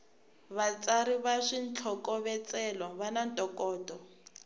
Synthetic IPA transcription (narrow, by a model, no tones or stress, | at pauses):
βat͡sʼaɾiβaʂint͡ɬʰɔkɔβɛt͡sʼɛlɔβanantʼɔkʼɔːtʼɔ